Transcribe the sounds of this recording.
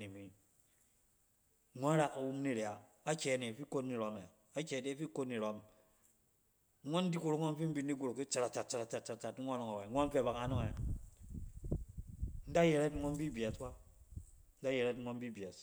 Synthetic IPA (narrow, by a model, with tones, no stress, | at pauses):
ni˨mi˨˦ | ŋʷo˦ɾa˦ka˨wu˦m˦ni˦ɾja˨ | a˦t͡ʃe˨ne˨fi˦ko˦tni˨ɾo˦me˨ | a˦t͡ʃe˨ne˦fi˦ko˦ni˨ɾo˦m˦ | ŋʷo˦n̩˦di˦ku˨ɾo˦ŋʷo˦n˦fi˦m̩˦bi˦nː˦i˦ɡu˦ɾo˨ki˦t͡ʃa˨ɾa˨t͡ʃa˨t͡ʃa˨ɾa˨t͡ʃa˨t͡ʃa˨a˨t͡ʃa˨tŋʷo˦nɔ˨ŋa˨we˨ŋʷo˦n˦fe˦˨ba˨ka˨no˦ŋe˨ | n̩˦da˦je˨ɾe˦tŋʷo˦m̩˦bi˦bja˨swa˦ | n̩˦da˦je˨ɾe˦tŋʷo˦m˦bi˦bi˨a˨s